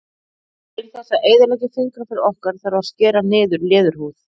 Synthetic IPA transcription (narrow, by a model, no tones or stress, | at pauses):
ɪnθɛsːaʔeːjðʏɾlɛc̪ɪfɪŋkɾafɪɾɔhkaɾ̥θaɾvaɾ̥scɛːɾanɪːðʏɾlɛːðʏɾ̥huːð